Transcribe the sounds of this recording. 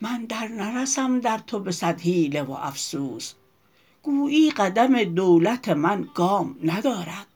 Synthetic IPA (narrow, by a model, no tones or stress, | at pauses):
mænd̪æɾnæɾæsæmd̪æɾt̪ʰobesæd̪hiːlevo̰ʔæ̰fsuːs | ɡ̥uːʔiːɢæd̪æmed̪owlæt̪ʰemænɡ̥ɒːmnæd̪ɒːɾæd̪̥